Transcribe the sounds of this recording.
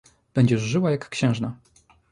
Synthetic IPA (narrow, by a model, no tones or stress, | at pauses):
b̥ɛɲd͡ʑɛʐːɘwajakːɕɛ̃ʐna